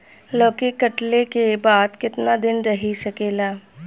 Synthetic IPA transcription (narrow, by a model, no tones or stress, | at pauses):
ləːkekɐʈlekebaːd̪kɪt̪nad̪ɪnɾɐɦisɐkeːlaː